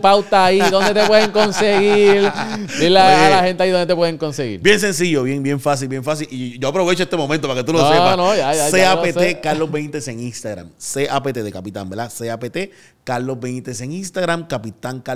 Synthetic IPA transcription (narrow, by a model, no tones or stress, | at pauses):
pawt̪aːiðond̪et̪epweðeŋko̞nseɣiɾbilaalahent̪eajðond̪et̪epweðeŋko̞nseɣḭɾbjens̬ẽ̞nsiʝoβjeŋbje̞ɱfas̬ilbjẽ̞ɱfas̬iliʝoapɾoβet͡ʃoest̪emo̞mẽnt̪opaket̪ulosepanojajaseapeekaɾlozβejnt̪eseŋiŋst̪aɣɾa̰mseʔapet̪eðekapit̪ã̰mbeɾd̪aseapet̪e | kaɾlozbejnt̪eseŋinst̪aɣɾamkapit̪aŋka